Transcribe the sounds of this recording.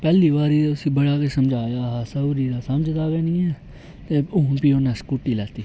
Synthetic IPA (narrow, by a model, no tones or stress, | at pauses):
pɛːliːʋaːɾiːʊsĩːbəɽaːkesəmd͡ʒʱaːjaːɦasəbɾiːd̪aːsəmd͡ʒt̪aːɡɛːnĩːɛː | t̪eːʊːʊnpiːoːnɛ̃ːskuʈːiːlɛːt̪iː